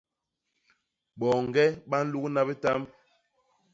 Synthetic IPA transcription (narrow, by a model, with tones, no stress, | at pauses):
ɓɔ˨ŋ̩˨ɡɛ˦ɓa˦n̩˦lu˦kna˦bi˦ta˦m